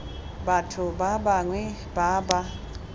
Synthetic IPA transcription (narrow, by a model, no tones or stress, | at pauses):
batʰubabaŋwɛ | baba